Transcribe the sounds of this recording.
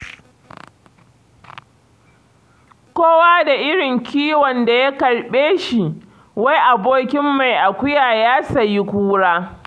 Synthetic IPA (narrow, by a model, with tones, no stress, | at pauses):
kʷoː˦waː˦da˨ʔɪ˦ɽɪ˨ŋkʲʰiː˦wɔ˨nda˨ja˦kɐ˨ɽɓeː˦ʃi˨ | wa˦jʔa˨boː˦kʲɪ˦mːa˨jʔa˨kʷʊ˦jaː˨jaː˦sɐ˨ji˦kʷuː˦ɽaː˦